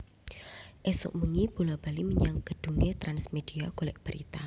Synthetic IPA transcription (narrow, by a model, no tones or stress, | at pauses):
ʔesʊ̰ʔməŋib̥ulab̥aliməɲaŋkəd̥uŋet̪ɾansmed̥iaɡ̥olɛʔ̚b̥əɾit̪a